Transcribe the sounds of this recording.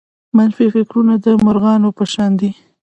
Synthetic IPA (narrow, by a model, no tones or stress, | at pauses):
manfifɪkɾunad̪əmʊɾɣɑnopəʃɑnd̪i